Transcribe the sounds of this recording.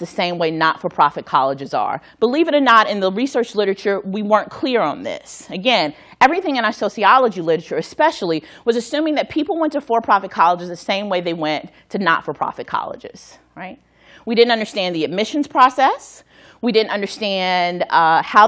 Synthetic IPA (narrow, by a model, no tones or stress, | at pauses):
ðɨsẽɪ̃mweɪnətfə˞pʰɹ̥ɑfɨt̚kʰɑlˠəd͡ʒɨzə̰˞ | b̥əlivɨ̃ɾə˞nəɾɨ̃nðəɹisɜ˞t͡ʃlɪɾə˞ɨt͡ʃə˞wiwɜ̃˞nkʰl̥ɪɹə̃nðɪ̰sɨɡɛ̃n | ɛvɹiθɪ̃ŋɨ̃nasoʊsiɑlˠəd͡ʒilɪɾə˞ət͡ʃə˞ɨspɛʃl̩ˠiwʌzɨsʉ̃mɪ̃ŋðɨt̚pʰipl̩ˠwɛ̃ntəfə˞pʰɹ̥ɑfɨt̚kʰɑlˠəd͡ʒɨzðɨsẽɪ̃mweɪðeɪwɛ̃ntʰɨnə̰tfə˞pʰɹ̥ɑ̰fɨt̚kʰɑ̰lˠə̰d͡ʒɪ̰z̥ | ɹaɪt̚ | wiɾɪdⁿn̩tʌ̃ndə˞stæ̃nðiɨd̚mɪʃɨ̃n̩z̥pʰɹ̥ɑsɛs | widɪdⁿn̩tʌ̃ndə˞stæ̃ndhaʊ